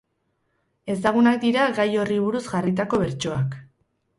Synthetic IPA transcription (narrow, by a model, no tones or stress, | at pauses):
e̞saɣ̞unak̚d̪iɾaɡajo̞riβuɾuzɡarit̪ako̞βe̞ɾt͡ʃo̞ak